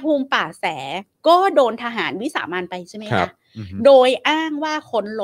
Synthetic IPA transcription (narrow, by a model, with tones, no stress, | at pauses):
pʰuː˧mpaː˨˩sɛː˩˦kɔː˥˩doː˧nt̪ʰa˧ɦaː˩˦nwi˦˥sa̰ː˩˦maː˧npa˧jt͡ɕʰa˥˩jma˦˥kʰa˦˥ | doː˧jʔaː˥˩ŋwaː˥˩kʰo˦˥nlo˨